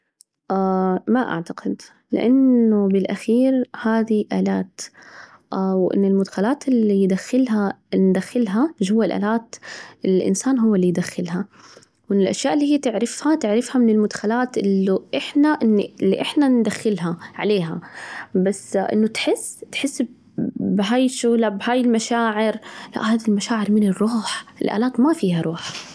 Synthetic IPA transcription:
ʔaːmaʔa̰ʕt̪aqɪd̪ | lɪ̰ʔanːʊbɪlʔaxiːɾhaːd̪iʔaːlaːt̪ | ʔawʔɪ̰nːɪlmʊd̪xalaːt̪ɪlːijd̪axːɪlɦand̪axːɪlɦaʒhʊwːɪlʔa̰ːlaːt̪ɪlʔɪ̰nsaːnɦʊwːalːijd̪axːɪlɦa | wɪnɪlʔaʃjaːʔɪlːiːhijːt̪ɪʕɾɪfhat̪ɪʕɾɪfhamɪnɪlmʊd̪xalaːt̪ʔɪlːuʔɪħnaʔɪnːɪlːḭʔɪħnand̪axːɪlɦaʕa̰leːɦabasːʔɪ̰nːʊt̪ħɪsːt̪ħɪsː | bɦaːjʃulaʔbhaːjɪlmaʃaːʕɪɾla̰ʔhaːðilmaʃaːʕɪɾmɪnɪrˤːuːħʔɪ̰lʔa̰ːlaːt̪mafiːhaɾˤuːħ

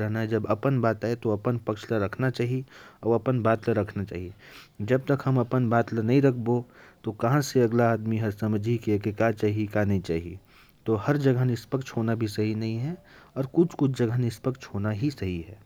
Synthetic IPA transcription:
ɾɦnaɦɛd͡ʒɐbɐpənbaːt̪aːet̪oɐpənpɐkʃlaɾɐkʰnat͡ʃaːɦieɔːɾɐpənbaːt̪laɾɐkʰnat͡ʃa̰ːɦied͡ʒɐb̚t̪ɐkɦɐmɐpənbaːt̪lənɐɦĩɾɐkʰbot̪okɐɦãseɐɡlaaːd̪miɦɐɾsɐməd͡ʒʱikiekekat͡ʃaːɦiekanɐɦĩt͡ʃaːɦie | t̪oɦɐɾd͡ʒɐɡənɪspəkʃɦoːnabʱisɐɦinɐɦĩɦɛɔːɾkʊt͡ʃʰkʊt͡ʃʰd͡ʒɐɡʱənɪspəkʃɦoːnaɦisɐɦiɦɛː

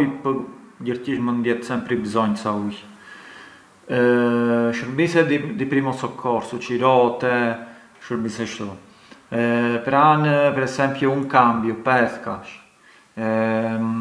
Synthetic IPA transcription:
jpəɟəɾciʃmənd̪jɛt̪sɛmpɾibzɔɲsauj | ʃəɾbisɛd̪id̪ipɾimɔsɔkʰɔɾsut͡ʃiɾɔt̪ɛ | ʃəɾbisɛʃt̪u | pɾanpɛɾɛsɛmpjuunkambjupɛθkaʃ | ɛ

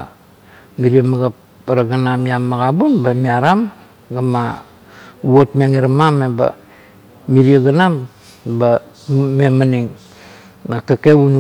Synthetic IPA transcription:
miɾiamaɡap | aɾaɡanamjamːaɡabunbamiaɾam | ɡama | uotmiaŋeɾamameba̰ | miɾiaɡanam | ba | memaniŋ | natakeβunu

